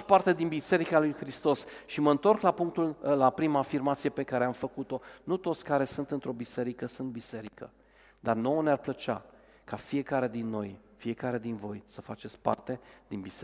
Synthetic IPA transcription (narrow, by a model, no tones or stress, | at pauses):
part̪e̞d̪inbise̞ɾikalujxɾist̪o̞sʃiməɨnt̪o̞rklapuŋk̚t̪ullapɾimaːfirmat̪sije̞pe̞kaɾe̞amfəkut̪o̞nut̪o̞t̪sʲkaɾe̞sunt̪ɨnt̪ɾo̞bise̞ɾikəsunt̪̚bise̞ɾikə̰ | d̪arno̞onearplət͡ʃa̰ | kafije̞kaɾe̞d̪inːo̞jfie̞kaɾe̞d̪invo̞jsəfat͡ʃe̞t̪sʲpa̰rt̪e̞d̪inbise